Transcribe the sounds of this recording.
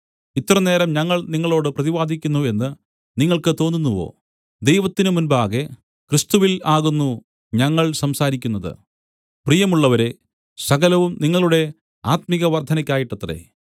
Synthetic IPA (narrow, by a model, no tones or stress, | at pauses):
it̪ːɐrɐne̞ːɾɐmɲɐŋːɐɭniŋːɐɭo̞ːɽɨprɐðiʋaːd̪ʱikʲːunːue̞nːɨ | niŋːɐɭkɨt̪o̞ːnːunːuʋo̞̰ː | d̪e̞jʋɐt̪ːinɨmunbaːɣe̞ | krɨst̪uʋilaːɣunːu | ɲɐŋːɐɭsɐmsaːɾikʲːunːɐðɨ̰ | prijɐmuɭːɐʋɐɾe̞ | sɐɣɐlɐʋumniŋːɐɭuɽe̞ | aːt̪miɣɐʋɐrd̪ʱɐnɐkʲːaːjiʈːɐt̪ːre̞̰